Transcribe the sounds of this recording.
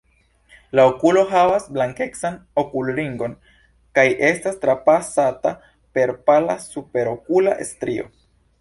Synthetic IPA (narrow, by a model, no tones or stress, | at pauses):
laokulo̞ɦavasblaŋke̞ksano̞kulɾiŋɡo̞n | kajʔe̞stastɾapasata | pe̞ɾpala̰supe̞ɾo̞kula̰ʔḛstɾio̞̰